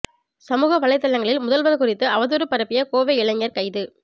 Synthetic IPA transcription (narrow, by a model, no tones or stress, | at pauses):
sɐmuːɣɐʋɐɭɐɪt̪ːɐlːɐŋɡɐɭɪlmʊðɐlʋɐnkʊrɪt̪ːɯɐʋɐðuːɾɯpːɐɾɐpːɪjɐkoːʋeɪɭɐɲːɐɾkɐɪðɯ